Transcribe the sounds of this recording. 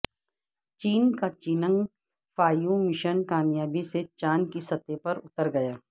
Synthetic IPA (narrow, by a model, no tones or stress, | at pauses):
t͡ʃiːnkat͡ʃinə̃ŋɡ | faːjũmɪʃənkaːmjaːbiset͡ʃaːnkisɐt̪epɐɾʊt̪əɾɡɐjaː